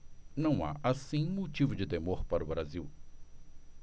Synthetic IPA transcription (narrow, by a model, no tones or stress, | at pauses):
nɐ̃w̃a̰ʔasĩmot͡ʃivʊd͡ʒɪd̪emoɾpaɾʊbɾaziw